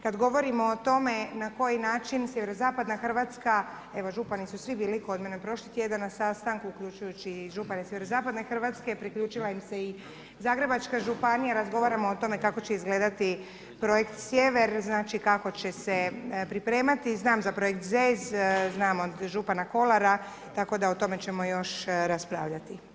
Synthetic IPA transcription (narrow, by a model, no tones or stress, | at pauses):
kad̪ɡo̞ʋo̞ɾimoːt̪o̞me̞nako̞jinaːt͡ʃinsjeʋe̞ɾozaːpad̪naxr̩ʋat̪ska | eʋo̞ʒupanisusʋibiːlikod̪menepɾo̞ʃlit̪je̞d̪annasast̪aŋkuːklʎut͡ʃujut͡ɕiʒupanesʲjeʋeɾozaːpad̪ne̞xr̩ʋat̪ske̞pɾiklʎuːt͡ʃilaimse̞i | zaːɡɾe̞bat͡ʃkaʒupanijaɾazɡo̞ʋaːɾamoot̪o̞me̞kako̞t͡ɕe̞izɡleːd̪at̪i | pɾo̞je̞kt̪sʲje̞ʋe̞ɾznaːt͡ʃikako̞t͡ɕe̞sepɾipɾe̞ːmat̪iznaːmzapɾo̞jekt̪zezznaːmo̞d̪ʒupanako̞lˠaɾa | t̪ako̞d̪aot̪o̞me̞t͡ɕe̞mo̞jo̞ʃɾaspɾa̰ːʋʎat̪i